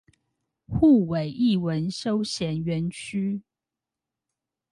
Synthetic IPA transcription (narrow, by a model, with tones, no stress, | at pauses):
xu˥˩we˨˩ɪʔi˥˩wə˨˦nʂo˦ʊɕjɛ˨˥nɥɛ˨˦nt͡ɕʰy˥